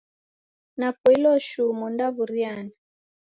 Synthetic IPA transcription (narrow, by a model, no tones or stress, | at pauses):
napɔilɔʃumɔndaβuɾjana